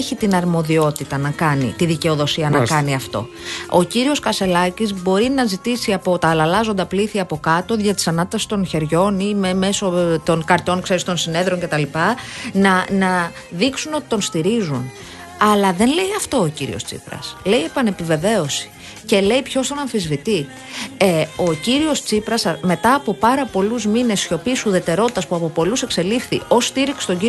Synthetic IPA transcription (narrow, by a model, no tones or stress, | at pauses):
çit̪inɐɾmo̞ðio̞t̪it̪ɐnɐkɐnḭt̪iðice̞oðo̞siɐnɐkɐniɐft̪o̞̰ | o̞ciɾio̞skɐse̞lɐcizbo̞ɾinɐzit̪isiɐpo̞t̪ɐːlɐlɐzo̞nd̪ɐpliθiɐpo̞kɐt̪o̞ðʝɐt̪i̥sɐnɐt̪t̪ɐsi̥st̪o̞nçe̞ɾʝo̞nimeme̞so̞t̪o̞nkɐɾt̪o̞ŋkse̞ɾist̪o̞nsine̞ðɾoɲcet̪ɐlipɐnɐnɐ | ðiksuno̞t̪i̥t̪o̞nst̪iɾizun | ɐlɐðe̞nle̞jɐft̪o̞ːciɾḭo̞st͡sḭpɾɐ̰sle̞ie̞pɐne̞pive̞ve̞o̞si̥ | ce̞leipço̞st̪o̞nɐɱfizvit̪i | eo̞ciɾio̞st͡sipɾɐsɐme̞t̪ɐːpo̞pɐɾɐpo̞luzmine̞sço̞pisuðe̞t̪e̞ɾo̞t̪it̪ɐspuɐpo̞po̞luse̞kse̞lifθḭʔo̞sːt̪iɾikse̥t̪o̞ɲɟi